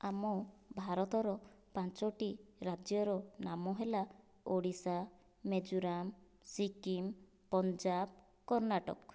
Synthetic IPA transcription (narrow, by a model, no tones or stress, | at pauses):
amɔbʱaɾɔt̪ɔɾɔpãnt͡ʃɔʈiɾad͡ʒjɔɾɔnamɔɦela | oɽisa | med͡ʒuɾam | sikim | pɔnd͡ʒab̚ | kɔɾnaʈɔ̰k